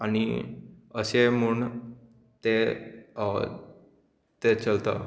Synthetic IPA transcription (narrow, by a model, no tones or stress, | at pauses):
añḭ | əɕem̤uːɳ | t̪e | t̪et͡səlt̪ə̰